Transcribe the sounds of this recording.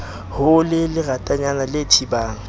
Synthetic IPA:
hʊlɪlɪratʼaɲanalɪtʰibaːŋ̩

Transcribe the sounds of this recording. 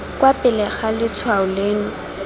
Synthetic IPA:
kwapʼɪlɛχalɪt͡sʰwaʊlɪːnɔ

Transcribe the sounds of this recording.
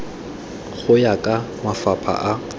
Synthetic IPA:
χʊjakʼa | mafapʰa̰ʔa

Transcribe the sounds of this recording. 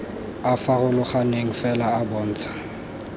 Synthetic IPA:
afaɣʊlʊχaneŋ̩fɛlaːbɔːn̩ːt͡sʰḁ

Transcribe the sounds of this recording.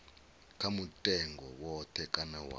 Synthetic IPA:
kʰamutʼɛŋɡɔwɔtʰɛkʼanawa̰

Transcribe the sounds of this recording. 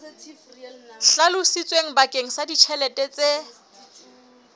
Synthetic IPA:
ɬalʊsit͡sʼweŋ̩bakʼeŋ̩sadit͡ʃʰɛlɛtʼɛt͡sʼe

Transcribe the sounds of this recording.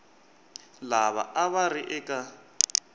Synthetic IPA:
laβa̰ʔaβaɾiʔɛkʼa

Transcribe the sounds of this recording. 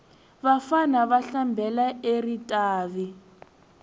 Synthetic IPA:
βafanaβaɬambʱɛlaeritʼaːβi

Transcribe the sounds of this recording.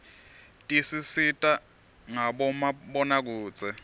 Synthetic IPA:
tʼisisitʼa | ŋaɓɔmaɓɔnak̬uːt͡sʼɛ

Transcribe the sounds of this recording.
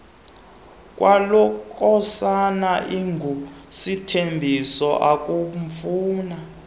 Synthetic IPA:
kʼwalɔkʰʼɔsanaʔiŋɡʱusitʰembʱisɔʔakʼumfuːna

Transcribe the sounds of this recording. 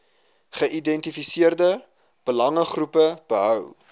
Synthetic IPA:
χəʔidɛntifisiərdə | b̥əlɐŋəχrupəb̥əɦœw

